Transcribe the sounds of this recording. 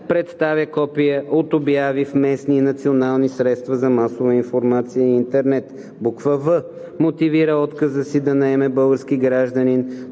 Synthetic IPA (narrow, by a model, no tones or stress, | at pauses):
pɾɛt̪st̪avʲjəkɔpiəʔot̪objavifmɛsninɐt̪sionalˠnisɾɛt̪st̪vɐzɐmasovəinfoɾmat̪sijəiint̪ɛɾnɛt̪ | bukvəvə | mot̪iviɾəɔt̪kəzəsid̪ɐnɐɛmɛbəlˠɡəɾsk̟iɡɾaʒd̪ənin